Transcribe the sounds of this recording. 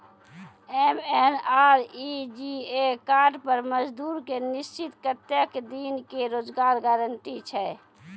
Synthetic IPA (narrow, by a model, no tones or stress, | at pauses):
emenaːɾid͡ʒiekaːɾɖpəɾməd͡ʒd̪uːɾkenɪst͡ʃɪt̪kət̪jəkd̪iːnkeɾoːd͡ʒɡaːɾɡaːɾəɳʈit͡ʃʰɛ